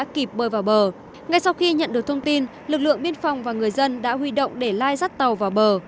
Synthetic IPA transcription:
a̰ː˧˥ki˨˩p̚ɓəː˨˩vaː˨˩wɓəː˨˩ | ŋa˧˩jsa˧wxi˧ɲə̰˧˨nɗɨ˨˩ək̚t̪ʰwŋ͡mt̪i˧n | lɨ˨˩k̚lɨ̰˧˨əŋɓi˧ənfɔ˨˩wŋ͡mvaː˨˩ŋɨ˨˩əjzə˧nɗa̰ː˧˥ɦwi˧ɗo̰˧˨wŋ͡mɗe˧˩laː˧jza˦˥t̚t̪ə˨˩wvaː˨˩wɓəː˨˩

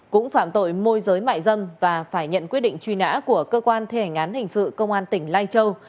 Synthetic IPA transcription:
kʊ̰˧˥ŋ͡mfaː˧˩mt̪o̰˧˨jmo˧jzəː˨˦jma̰ː˧˨jzə˧mvaː˨˩faː˧˩jɲə̰˧˨nkwi˦˥t̚ɗḭ̈˧˨ŋ̟t͡ɕwi˧na̰ː˧˥ku˧˩əkəː˧kwaː˧nt̪ʰe˧˩ŋaː˨˦nhï˨˩ŋ̟sɨ̰˧˨kə˧wŋ͡mʔaː˧nt̪ï˧˩ŋ̟laː˧jt͡ɕə˧w

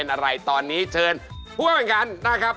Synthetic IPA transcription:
e˧nʔa˧ɾa˧jt̪ɔː˧nːiː˦˥t͡ɕʰɤː˧npʰu˥˩əm˩˦nka˧nːa˦˥kʰɾa˦˥p̚

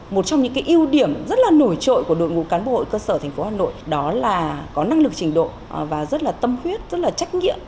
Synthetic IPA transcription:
mo˨˩t̚t͡ɕɔ˧wŋ͡mɲɨ̰˧ŋkaː˨˦jʔi˧əwɗi˧˩əmzə˦˥t̚laː˨˩no˧˩jt͡ɕo̰˧˨jku˧˩əɗo̰˧˨jŋṵ˧˥kaː˨˦nɓo̰˧o˧˨ho̰˧˨jkəː˧səː˧˩t̪ʰɛ˨˩ŋ̟fo˨˦haː˨˩no̰˧˨jɗɔ˨˦laː˨˩kɔ˨˦na˧ŋlɨ˨˩k̚t͡ɕï˨˩ŋ̟ɗo̰˧˨ | vaː˨˩zə˦˥t̚laː˨˩t̪ə˧mhwi˦˥ət̚zə˦˥t̚laː˨˩t͡ɕa˦˥jk̟̚ŋḭ˧˨əm

